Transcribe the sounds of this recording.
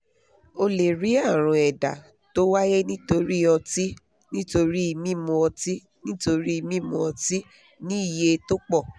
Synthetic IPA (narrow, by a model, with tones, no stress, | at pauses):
o˧le˨ɾi˨˦a˦˨ɾ̃ũ˧ɛ˨da̰˨ | to˦wa˦jɛ˦nĩ˦to˧ɾi˦ɔ˧ti˦ | nĩ˦to˧ɾi˦i˧mĩ˦˨mũ˧ɔ˧ti˦ | nĩ˦to˧ɾi˦i˧mĩ˦˨mũ˧ɔ˧ti˦ | nĩ˦i˦˨je˧to˦k͡pɔ˦˨